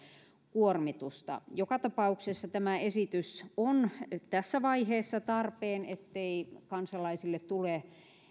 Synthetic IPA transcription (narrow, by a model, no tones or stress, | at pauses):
kuormit̪ust̪ɑ̰jokɑt̪ɑpɑuksesːɑt̪æmæesit̪ysont̪æsːæʋɑiheːsːɑt̪ɑrpeːnet̪ːeikɑnsɑlɑisilːet̪t̪ule